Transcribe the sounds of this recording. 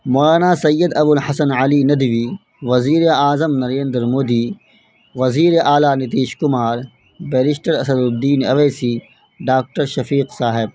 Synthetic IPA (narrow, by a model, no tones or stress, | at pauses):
moːlaːnaːsɐjːəd̪ɐbʊlhɐsɐnʕɐlinɐd̪ʋiː | ʋɐziːɾeaːzəmnɐɾẽːnd̪ɾmoːd̪iː | ʋɐziːɾeʔaːlaːnɪt̪̬iːʃkʊmaːɾ | bɛːlɪʃʈəɾɐsɐd̪bd̪iːnɐʋeːsiː | ɖaːk̚ʈəɾʃɐfiːqsaːɦɪb̚